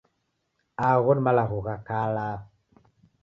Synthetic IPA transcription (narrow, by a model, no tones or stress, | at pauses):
aɣodmalaɣuɣakala